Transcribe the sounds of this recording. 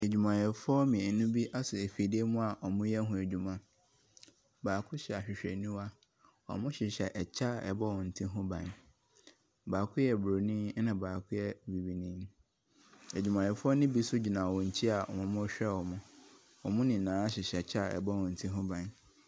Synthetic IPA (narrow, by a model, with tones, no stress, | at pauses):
e˨d͡ʑᶣu˨mã˨jɛ˨fɔ˦mĩ˨˦nʊ̃˦bi˦ʔa˦sʊ˨e˨fi˨de˦mũ˦a˨ʔɔ˨mʊ̃˦jɛ˦ɦʊ̃˨æ˨d͡ʑᶣu˨mã˨ | baː˨kʰʊ˦ɕɛ˨a˨ɕᶣɪ˨ɕᶣɛ˨nĩ˦wa˦ | ɔ̰˨mʊ̃˦ɕɪ˨ɕɛ˨ʔɛ˨t͡ɕʰa˦˨ɛ˨bɔ˦wɔ̃˨n̩˨tʰĩ˦ɦʊ̃˦bã˨n | baː˨kʰʊ˦jɛ˨bɾo˨nĩ˦nã˨baː˨kʰʊ˦jɛ˦bi˨bi˨nĩ˦n | e˨d͡ʑᶣu˨mã˨jɛ˨fʊ˦ɔ˦nɪ̃˦bi˦sʊ˦d͡ʑi˨nã˨wɔ̃˨ɲ̩˨t͡ɕʰi˦a˨ɔ̰˨mɔ̃˨mʊ̃˦ɕᶣɛ˦˨wɔ˨mʊ̃˦ | ɔ˨mʊ̃˦nɪ̃˨nãː˨˦a˦ɕɪ˨ɕɛ˨t͡ɕʰa˦˨ɛ̰˨bɔ˦wɔ̃˨n̩˨tʰĩ˦ɦʊ̃˦bã˨n